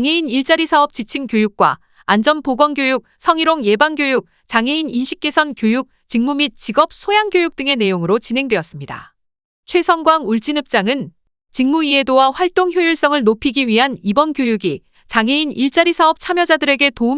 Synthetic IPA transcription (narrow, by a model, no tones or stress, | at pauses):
ŋɦe̞iniɭt͡ɕ͈aɾisʰaʌp̚t͡ɕ͈it͡ɕʰiŋkjojuk̚k͈wa̰ː | nd͡ʑʌnpoɡwʌnɡjojuk̚sʰʌŋiɾoŋje̞baŋɡjojuk̚ | t͡ɕaŋɦe̞ininɕʰi̥k̚k͈e̞sʰʌnkjojuk̚t͡ɕiŋmumit̚t͡ɕ͈iɡʌp̚sʰojaŋɡjojuk̚t͈ɯŋe̞ne̞joŋɯɾot͡ɕinɦe̞ŋdwe̞ʌs͈ɯmɲida̰ | t͡ɕʰwe̞sʰʌŋɡwaŋuɭt͡ɕ͈inɯp̚t͡ɕ͈aŋɯn | t͡ɕiŋmuie̞dowaɸwaɭt͈oŋçjojuɭs͈ʌŋɯɭnopʰiɡiɥiɦanibʌnkjojuɡi | t͡ɕaŋɦe̞iniɭt͡ɕ͈aɾisʰaʌp̚t͡ɕʰamjʌd͡ʑadɯɾe̞ɡe̞toum